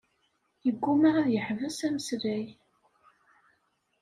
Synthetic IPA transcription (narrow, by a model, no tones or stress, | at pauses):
jəɡʷːumaʁæðjəħvəsæməsɾæj